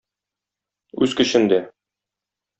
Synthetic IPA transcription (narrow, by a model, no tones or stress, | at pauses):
ʉzkɵ̆ɕɘnd̪æ